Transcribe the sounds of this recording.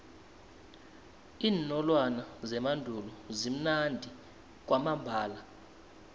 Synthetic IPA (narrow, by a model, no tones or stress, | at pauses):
iːnɔlwanazɛmandʱulɔzim̩nandʱi | k̬ʼwamambʱaːla